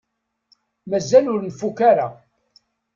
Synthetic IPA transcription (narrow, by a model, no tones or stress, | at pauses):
mæzːælʊɾnfukaɾa